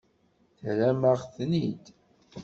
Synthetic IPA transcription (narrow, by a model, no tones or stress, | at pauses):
θɾæmaʁθnid̪